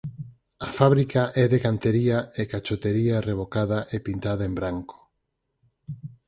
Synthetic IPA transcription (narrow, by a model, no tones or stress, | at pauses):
afaβɾikaʔɛðeɣant̪eɾiaekat͡ʃot̪eɾiareβ̞okaðaʔepint̪aðaembɾaŋko̥